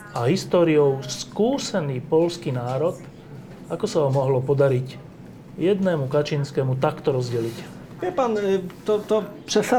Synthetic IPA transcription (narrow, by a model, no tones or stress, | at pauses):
aɦist̪ɔːɾiɔʊskuːsɛniːpɔlskinaːɾɔt̪ | akɔsaɦɔmɔɦlɔpɔd̪aɾic | jɛd̪nɛːmukat͡ʃinskɛːmut̪akt̪ɔɾɔzɟɛlic | ɛpaːnt̪ɔt̪ɔpɾɛsa